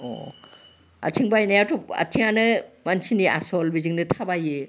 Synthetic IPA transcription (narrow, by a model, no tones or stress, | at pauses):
o̰ | a̰tʰiŋbajnajatʰɔp̚a̰tʰiŋanɯmansiniʔa̰sɔlbiziŋnɯtʰabaje